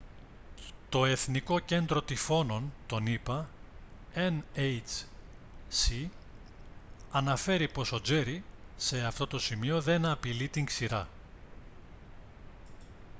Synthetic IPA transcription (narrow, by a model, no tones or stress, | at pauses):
t̪o̞e̞θniko̞ce̞nd̪ɾo̞t̪ifo̞no̞nt̪o̞nipɐ | enejt͡s | si | ɐnɐfe̞ɾipo̞so̞d͡ze̞ɾise̞ɐft̪o̞t̪o̞simio̞ðe̞nɐpilit̪iŋksiɾɐ